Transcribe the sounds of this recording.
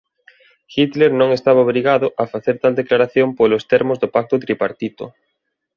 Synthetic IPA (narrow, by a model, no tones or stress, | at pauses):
xit̪leɾnõŋest̪aβaoβɾiɣaðʊʔafaθeɾt̪ald̪eklaɾaθjompolʊst̪eɾmʊzðʊpak̚t̪ʊt̪ɾipaɾt̪it̪ʊ̰